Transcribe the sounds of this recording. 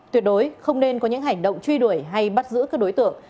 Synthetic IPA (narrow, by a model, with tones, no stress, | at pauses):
t̪wi˨˩ət̚ɗo˨˦jxə˧wŋ͡mne˧nkɔ˨˦ɲɨ̰˧˥ŋɦa˨˧˩jŋ̟ɗə̰˧˨wŋ͡mt͡ɕwi˧ɗu˧˩əjɦa˧jɓa˦˥t̚zɨ̰˧˥kaː˦˥k̚ɗo˨˦jt̪ɨ̰˧˨əŋ